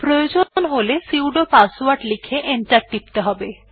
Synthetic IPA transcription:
pɾojod͡ʑonɦolesiwɖopaswaɾʈlikʰeʔenʈaʈːip̚t̪eɦɔbe

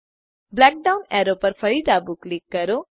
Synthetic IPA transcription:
blɛːk̚ɖawnɛːɾopəɾfʰɐɭid̪abuklikːəɾo

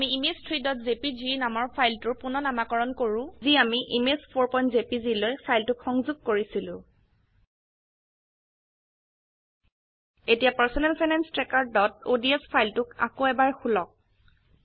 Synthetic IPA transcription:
amiimestʰɹidɔtzepizinamɔɹpʰajltʊɹpʊnɔnamakɔɹɔnkoɹʊ̃ziamiʔimespʰoɹpɔjntzepizilojpʰajltʊkxɔŋzuɡ̚koɹisilʊ̃ | etijapaɹsɔnɛlpʰajnanstɹɛkaɹ̚dɔtodiɛspʰajltʊka̰koɛbaɹxulɔk̚

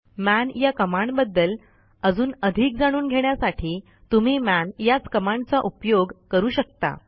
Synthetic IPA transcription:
mænjakəmaɳbəd̪ːəl | əd͡zuːnəd̪ʱiːk̚d͡zaɽ̃uːnɡʱeɳjasaʈʰiː | t̪um̤iːmænjat͡skəmaɳt͡saʔupjoɡkəɾuːɕəkt̪a̰

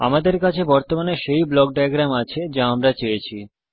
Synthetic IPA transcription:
a̰mad̪eɾkat͡ɕʰebɔɾt̪omaneʃejblɔk̚ɖajaɡɾamat͡ɕʰed͡ʑaamɾat͡ɕejet͡ɕʰi

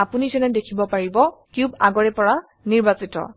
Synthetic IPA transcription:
apunizɛnɛdekʰibɔpaɹibɔkuba̰ɡɔɹɛpɔɹa | niɹbasitɔ̰

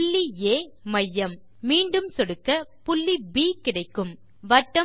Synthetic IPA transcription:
ɭːieːmɐjːɐmː | iːɳɖɯmsɔɽɯkːɐpʊɭːibiːkɪɽɐɪkːɯm | ʋɐʈːɐ

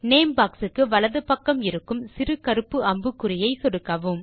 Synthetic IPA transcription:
neːmbaːksɯkːɯʋɐɭɐðɯpɐkːɐmɪɾɯkːɯmsɪɾɯkɐɾɯpːɯɐmbɯkːɯrɪjɐɪsɔɽɯkːɐʋɯm

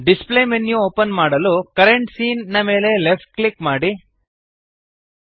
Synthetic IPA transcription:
ɖisplemenjuoːpɐnmaːɽɐlukɐɾeɳʈsiːnːɐme̞ːle̞lepʈ̚klikmaːɽi

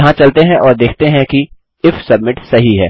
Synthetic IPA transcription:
ɦãt͡ʃɐlt̪eɦɛ̃ʔɔːɾd̪eːkʰt̪eɦɛ̃ki | ɪfsɐbmɪʈsɐɦiɦɛː

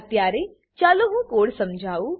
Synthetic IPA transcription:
t̪jaːɾe | t͡ʃaːloɦũkoːɽsɐmd͡ʒʱaːuː

